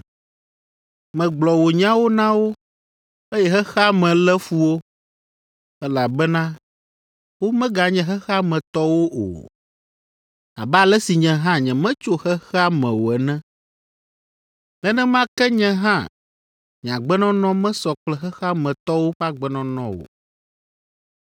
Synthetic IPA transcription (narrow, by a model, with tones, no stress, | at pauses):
mɛ̃˨ɡ͡blɔ˨wo˨ɲ˦ã˦wo˦nã˦wo˦ | e˦jɛ˨ɦɛ˦xa˦mɛ̃˨lɛ˦fu˦wo˦ | ɛ˦la˨bɛ˦nã˦ | wo˦mɛ̃˦ɡa˨ɲɛ̃˨ɦɛ˦xa˦mɛ̃˨t̪ɔ˦wo˦ʔo̰˨ | a̰˨bɛ˦a˨lɛ˦si˨ɲɛ̃˨ɦã˦ɲɛ̃˨mɛ̃˦t͡ʃo˦xɛ˦xa˦mɛ̃˨wo˨ɛ˨nɛ̃˦ | nɛ̃˦nɛ̃˦mã˦kɛ˦ɲɛ̃˨ɦã̰˦˨ | ɲ˨ã˨ɡ͡bɛ˦nɔ̃˦nɔ̃˦mɛ̃˦sɔ˨k͡plɛ˦ɦɛ˦xa˦mɛ̃˨t̪ɔ˦wo˦ɸa˦ɡ͡bɛ˦nɔ̃˦nɔ̰̃˦wo̰˨